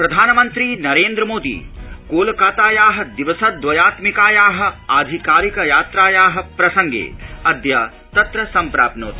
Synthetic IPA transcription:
pɾɐd̪ʱaːnɐmɐnt̪ɾiːnɐɾeːnd̪ɾəmoːd̪ḭːkoːlkaːt̪aːjaːɦɐ̆d̪iʋɐsɐd̪ʋɐjaːt̪mikaːjaːɦɐ̆aːd̪ʱikaːɾikjaːt̪ɾaːjaːɦɐ̆pɾɐsɐŋɡḛːɐd̪jaː | t̪ɐt̪ɾɐsɐmpɾa̰ːpnoːt̪

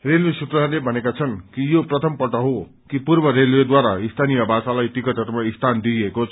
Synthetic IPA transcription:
ɾelʋesut̪ɾʌalebʱʌnekat͡sʰʌnkijopɾʌt̪ʰʌmpʌʈʌɦo | kipuɾbʌɾelwed̪waɾaist̪ʰanijʌbasalajt̪ikʌt̪ʌt̪maist̪ʰand̪iekot͡sʰ

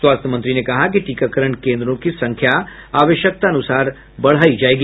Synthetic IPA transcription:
swaːst̪ʰəmɐ̃nt̪ɾinekɐɦak̬iʈiːkakəɾəɳkẽːnd̪ɾõkisɐ̃ŋkʰjaaːʋəʃjək̚t̪aɐnʊsaːɾ | bɐɽ̤aːid͡ʒaːeːɡi

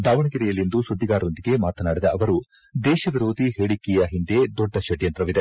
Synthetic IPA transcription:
d̪aːʋɐɳɐɡiɾɛjɐlind̪usud̪ːiɡaːɾond̪iɡe̞maːt̪ɐnaːɽid̪ɐɐʋɐɾu | d̪ɛːʃɐʋiɾoːd̪iɦeːɽikːɛjɐɦind̪e̞d̪ɔɖːɐʃɐɽjɐnt̪ɾɐʋid̪e

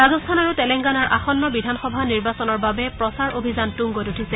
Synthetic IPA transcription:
baɡɔstʰanaɹutɛlɛŋɡanaɹʔa̰xɔnːɔbidʱanxɔbʱaniɹbasɔnɔɹbabɛpɹɔsaɹobʱizantuŋɡotutʰisɛ

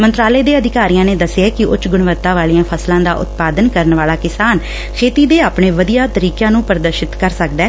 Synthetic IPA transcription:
mənt̪ɾaːleːd̪eːəd̪ɪkaːɾijãːneːd̪əsaːkɪʔʊt͡ʃɡʊɽʋəɾt̪ːaːʋaːliːãːpʰəslãːd̪aːʔʊ̰t̪̚paːd̪ənkəɾənʋaːlaːkɪsaːn | kʰeːt̪iːd̪eːaːpɳeːʋəd̪ijaːt̪əɾiːkãːnũːpəɾd̪əɾʃɪt̪kəɾsəkd̪ɛː

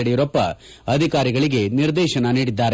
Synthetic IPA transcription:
ɐɽɛjuɾɐpːɐ̰ | ɐd̪ʱikaːɾiɡɐɭiɡe̞niɾd̪ɛːʃɐnɐniːɽid̪ːaːɾe

